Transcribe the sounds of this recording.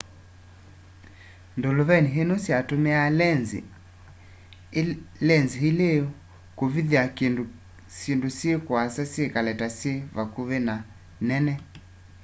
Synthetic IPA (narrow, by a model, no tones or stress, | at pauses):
ndoloβɛniɦenosiatomealnzi | lɛnziɦile | koviðiake | sindosiekwasasiekalɛtasieβakuβena | nɛnɛ